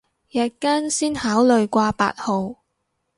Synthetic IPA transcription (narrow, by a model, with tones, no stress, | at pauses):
jɐː˨˧t̚kaː˥nsiː˥nhaː˨˥wlɵ˨ɥkʷaː˧pa̰ː˧t̚ho˨w